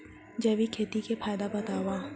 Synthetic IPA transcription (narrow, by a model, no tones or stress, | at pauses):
d͡ʒɐːʋikʰeːt̪ikepʰaːjd̪abɐt̪aːwaː